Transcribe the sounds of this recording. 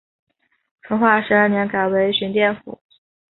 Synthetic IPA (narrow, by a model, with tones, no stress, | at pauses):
ʈ͡ʂʰɤ˧˥ŋxwa˥˩ʂɻ̩˧˥ə˞˥˩njɛ˧˥nka˨˩ɪwe˧˥ɪɕy˧˥nt̪jɛ˥˩nfṵ˨˩˦